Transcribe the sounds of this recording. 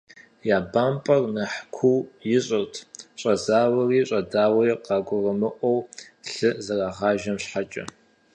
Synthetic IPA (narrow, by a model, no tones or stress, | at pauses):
jaːbaːmpʼɐrnɨħkʷʰuwjɪɕʼɪrtʰɕʼɐzaːwɐriːɕʼɐdaːwɐjqɑɡʷʼʊʁəmɨʔʷɔwɬɨzɐraːʁɑːʒɐmɕħat͡ʃʼɐ̰